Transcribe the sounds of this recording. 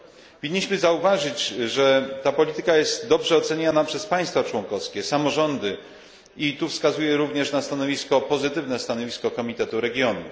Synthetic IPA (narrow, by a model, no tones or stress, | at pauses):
vʲiɲːiɕmɘzauvaʐɘt͡ɕʐɛt̪apɔlʲit̪ɘkajɛst̪d̪ɔbʐɛɔt̪sɛɲanapʂɛspaj̃st̪fat͡ʂwɔŋkɔfskʲɛsamɔʐɔnd̪ɘ | it̪ufskazujɛɾuvɲɛʂnast̪anɔvʲiskɔpɔzɘt̪ɘvnɛst̪anɔvʲiskɔkɔmʲit̪ɛt̪uɾɛɡʲjɔnu